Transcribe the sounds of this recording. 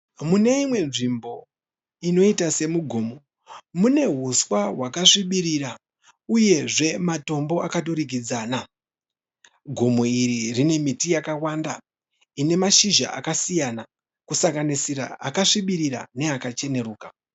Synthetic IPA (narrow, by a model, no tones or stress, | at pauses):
mune̞imwe̞nʐimbo̞ | ino̞itase̞muɡʱomo | mune̞ɦuswaɦwakaʂiɓiɾiɾa | uje̞ʐe̞mato̞mbo̞akatoɾiɡid͡zaːna | ɡʱomoiɾirine̞mitijakawanda | ine̞maʃiʒa̰ʔa̰kasijana | kusaŋɡanisiɾa̰a̰kaʂiɓiɾiɾa̰ne̞akat͡ʃe̞ne̞ɾuːka